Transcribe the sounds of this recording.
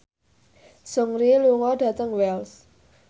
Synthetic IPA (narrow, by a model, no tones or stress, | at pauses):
sʊŋɾiluŋɔɖ̥ä̤t̪əŋwɛls